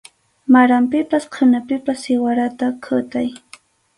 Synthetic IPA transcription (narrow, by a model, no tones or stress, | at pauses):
maɾampɪpasqʰʊnapɪpasɪwaɾat̪akʰʊt̪aj